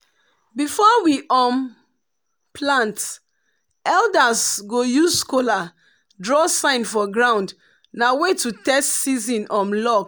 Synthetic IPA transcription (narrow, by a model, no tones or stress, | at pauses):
bifɔwiʔɔm | pʰlãnt | ɛldasɡojuzskola | dɹɔsãɪ̃nfɔɡɹãʊ̃nd | nawetutɛstsizĩnɔ̃mlɔk